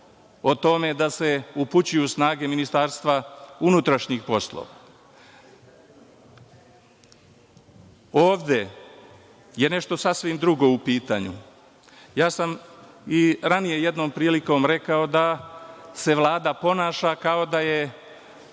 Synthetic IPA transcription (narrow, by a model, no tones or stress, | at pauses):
o̞t̪o̞me̞d̪ase̞uput͡ɕujusnaːɡe̞minist̪aːɾst̪ʋaunut̪ɾaʃɲixpo̞slo̰ʋa̰ | oːʋd̪e̞ | je̞ne̞ʃt̪o̞sasʋimd̪ɾuɡo̞upiːt̪a̰ɲṵ | jaːsam | iɾanije̞je̞d̪no̞ːmpɾiːliko̞ːmɾe̞kao̞d̪a | se̞ʋlˠaːd̪apo̞naːʃakao̞d̪aje